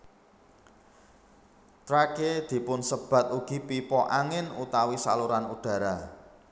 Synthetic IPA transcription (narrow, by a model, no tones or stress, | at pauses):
t̪ɾaked̪̥i̤pʊnsəb̥a̤t̪̚uɡ̥ipipɔʔaŋɪnut̪awisaluɾanuɖ̥ä̤ɾa